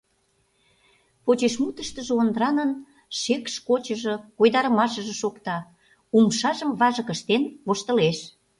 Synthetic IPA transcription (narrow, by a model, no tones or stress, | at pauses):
pot͡ɕeʃmut̪əʃt̪əʒĕond̪ɾɑnən | ʃekʃkot͡ɕəʒə̆kojd̪ɑɾə̆mɑʃəʒə̆ʃokt̪ɑ | umʃɑʒəmvɑʒəkə̆ʃt̪enkoʃt̪ə̆leʃ